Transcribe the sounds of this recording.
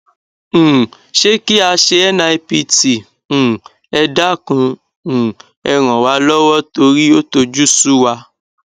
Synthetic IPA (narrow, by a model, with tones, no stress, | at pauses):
ʃe˦ki˦a˧ʃe˧ɛ˦nã˧i˧pi˧tĩ˨ | ɛ˧da˦kũ˧˨ | ɛ˧ɾ̃ɔ̃˨wa˨˦lɔ˦wɔ˦to˧ɾi˦o˦to˧d͡ʒu˦su˦wa˧